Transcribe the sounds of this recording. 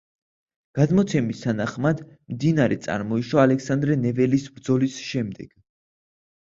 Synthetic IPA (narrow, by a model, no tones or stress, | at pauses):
ɡ̥ad̪mɔt̪sʰɛmist̪ʰanaχmad̪ | md̪inaɾɛt̪sʼa̰ɾmɔiʃwaːlɛksand̪ɾɛnɛvɛlisbɾd̪zɔlisʃɛmd̪ɛɡ̥